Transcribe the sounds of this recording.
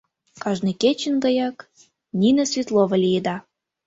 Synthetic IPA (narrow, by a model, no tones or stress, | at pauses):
kɑʒnɨket͡ɕənɡɑjɑk | nʲinəsvʲit̪lˠovəlʲijed̪ɑ